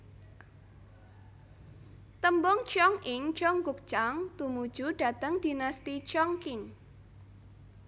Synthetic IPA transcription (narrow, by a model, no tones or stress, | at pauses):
t̪əmbɔŋt͡ʃɔŋʔɪŋt͡ʃɔŋɡʊk̚t͡ʃaŋt̪umud̥ʒ̥uɖ̥ä̤t̪əŋd̪̥inast̪it͡ʃɔŋkɪŋ